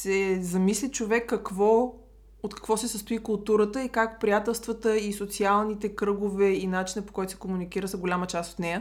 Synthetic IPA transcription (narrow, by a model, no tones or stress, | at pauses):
sɛzɐmislʲit͡ʃovɛkːɐkvɔ | ot̪kɐ̥kvɔsɛsəst̪ʊikʊlˠt̪uɾət̪əikakpɾijat̪ɛlˠst̪vət̪əisot̪sialˠnit̪ɛkɾɤɡovɛinat͡ʃinəpo̥kɔjt̪ʊ̥sɛ̥komunikiɾəxəɡolʲamət͡ʃast̪ot̪nɛjə